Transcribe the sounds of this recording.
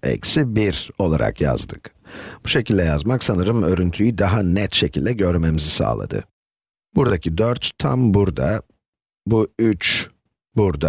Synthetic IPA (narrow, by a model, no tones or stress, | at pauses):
ɛ̰csibiɾo̞lˠa̰ɾa̰kja̰zd̪ɯkb̥uʃe̞cʰilʲd̪ɛjazmaksanɯɾɯmø̞ɾynt̪ʰyjyd̪aɦanɛt̪ʃe̞cʰilʲd̪ɛɟø̞ɾme̞mizisa̰ːlˠa̰d̪ɯ̰ | buɾd̪acʰid̪øɾt̪t̪ʰːa̰mbuɾd̪a | buyt͡ʃ | buɾd̪a